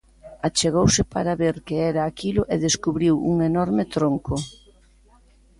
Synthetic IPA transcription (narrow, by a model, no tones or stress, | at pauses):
at͡ʃeɣowsɪpaɾaβeɾkeɛɾaːkilʊʔeðeskuβɾiwṵŋenɔɾmɪt̪ɾoŋkʊ